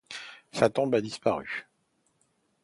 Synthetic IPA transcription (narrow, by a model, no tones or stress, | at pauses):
sat̪ɔ̃bad̪ispaʁy̰